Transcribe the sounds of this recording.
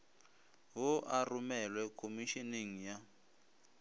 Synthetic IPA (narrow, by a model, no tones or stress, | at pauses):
ɦɔʔarumɛlwɛkʰomiʃiniŋ̩ja